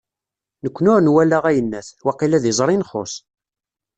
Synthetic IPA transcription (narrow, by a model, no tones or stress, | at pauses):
nəkʷːnʊɾnwælaʁæjənːæθwɑqilæðizˤɾˤinχo̰s